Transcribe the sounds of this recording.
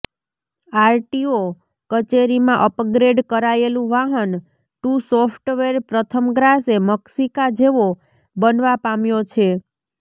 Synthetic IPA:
aɾʈio | kət͡ʃeɾimãʔəpɡɾeɖkəɾaelũʋaɦən | ʈusɔfʰʈʋeɾpɾət̪ʰəmɡɾaseməksikad͡ʒeʋo | bənʋapamjot͡ʃʰe

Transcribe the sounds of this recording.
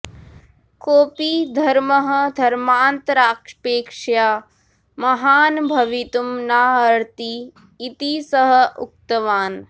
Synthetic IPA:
koːpid̪ʱɐɾmɐɦɐ̆d̪ʱɐɾmaːnt̪ɾaːkʂpeːkʂjaː | mɐɦaːnbʱɐʋit̪umnaːɦɐɾt̪iː | t̪isɐɦɐ̆ʔṵk̚t̪ɐʋaːn

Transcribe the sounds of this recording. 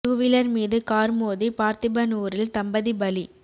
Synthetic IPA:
uʋɪlɐɾmiːðɯkaːɾmoːðipaːɾt̪ɪbɐnuːɾɪlt̪ɐmbɐðibɐli

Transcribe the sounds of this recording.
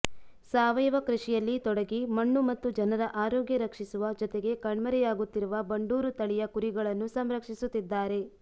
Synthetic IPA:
saːʋɐjɐʋɐkɾuʂijɐlːit̪ɔɽɐɡimɐɳːumɐt̪ːud͡ʒɐnɐɾɐʔaːɾɔːɡjɐɾɐkʂisuʋɐd͡ʒɔt̪e̞ɡe̞kɐɳmɐɾɛjaːɡut̪ːiɾuʋɐbɐɳɖuːɾut̪ɐɭijɐkuɾiɡɐɭɐnːusɐmɾɐkʂisut̪ːid̪ːaːɾe̞

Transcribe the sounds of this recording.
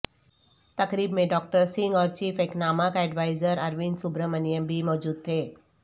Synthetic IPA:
t̪ɐkɾiːbmẽɖɔːk̚ʈəɾsɪ̃ŋɡɔːɾt͡ʃiːfeknaːmakɛːɖʋaːɪzəɾɐɾʋinsʊbɾəmənjəmbʱimɔːd͡ʒuːd̪̚t̪ʰeː

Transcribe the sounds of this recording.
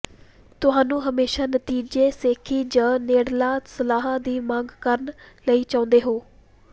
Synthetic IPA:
t̪ʊɦãːnũːɦəmeːʃaːnət̪iːd͡ʒeːseːkʰiːd͡ʒãːneːɽlaːsəlaːɦãːd̪iːmãŋɡkəɾnləiːt͡ʃãːʊ̃nd̪eːɦoː

